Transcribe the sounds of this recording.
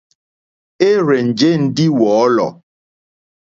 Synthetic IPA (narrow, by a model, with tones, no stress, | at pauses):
e˦ɾe˨n̩˨d͡ʒe˦n̩˨˦dɪ˦wɔ˨˦lɔ̰˨